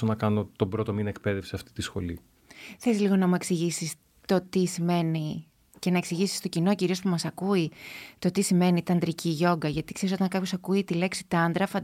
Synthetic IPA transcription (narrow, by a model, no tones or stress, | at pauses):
onɐkɐno̞t̪o̞bɾo̞t̪o̞minek̚pe̞ðefseɐft̪i̥t̪isxo̞̰li | θelizliɣo̞nɐmueksiʝisis | t̪o̞t̪isime̞ni | ce̞nɐeksiʝisi̥st̪o̞cino̞ciɾio̞spumɐsɐkuit̪o̞t̪isime̞nit̪ɐnd̪ɾiciʝo̞ɡɐʝɐt̪ikseɾis̬o̞t̪ɐŋkɐpço̞sɐkuit̪ile̞ksi̥t̪ɐnd̪ɾɐfɐ